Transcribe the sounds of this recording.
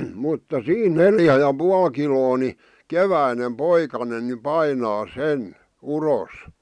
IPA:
mutːɑ siːn neljæ jɑ puɑl kiloː ni keʋæinem poikɑnen ni pɑinɑː sen uros

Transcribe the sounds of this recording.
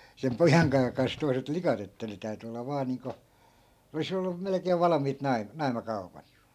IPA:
sem pojɑŋkɑː kɑns toi̯set likɑt etːæ ne tæyty olːɑ ʋɑː niːŋko olis olːum̆ melĕkeːʋ̆ ʋɑlɑmiːt nɑim nɑi̯mɑkɑu̞pɑt

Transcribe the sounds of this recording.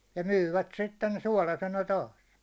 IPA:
jɑ myːʋæt sitːen suɒlɑsenɑ tɑːs

